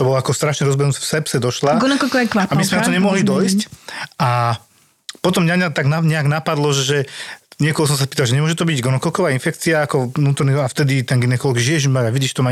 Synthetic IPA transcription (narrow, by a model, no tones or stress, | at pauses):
t̪ɔbɔlɔakɔst̪ɾaʃɲɛɾɔzbɛɦnut͡sɛ̥fsɛpsɛd̪ɔʃlaɡɔnɔkɔkɔʋakʋaammismɛnat̪ɔɲɛmɔɦlid̪ɔjscʔa | pɔt̪ɔmɲaɲat̪aɡnaɲɛaɡnapad̪lɔʒɛʒɛɲɪɛkɔlɦɔs̬ɔms̬apiːt̪alʒɛɲɛmʊɔʒɛt̪ɔbiɟɡɔnɔkɔlkɔʋaːinfɛkt͡siaakɔnuːt̪ɔɾniɔaft̪ɛd̪it̪ɛnɡinɛkɔlɔɡiʒiɛʒimbaɾaʋiɟiʃt̪ɔma